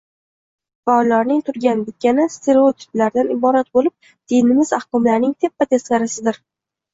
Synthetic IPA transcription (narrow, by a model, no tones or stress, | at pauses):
faɒlːaɾnɪŋt̪ʰʊɾɡʲanbɪt̪̚ʲkʲanast̪ʰe̞ɾeot̪ʰɪ̥plaɾd̪anɪbɒɾat̪̚bolɪp̚ | d̪̥enɪmɪzahkɒmlaɾnɪŋt̪ʰepːat̪ʰeskʲaɾɪsɪd̪ɪɾ